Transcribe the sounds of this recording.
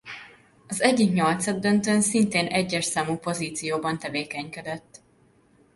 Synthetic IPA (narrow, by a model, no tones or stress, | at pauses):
ɒzɛɟːikɲɒlt̪sɒd̪ːønt̪øːnsint̪eːnɛɟːɛʃsaːmuːpo̞ziːt̪sijoːbɒnt̪ɛveːkɛɲkɛd̪ɛt̪ː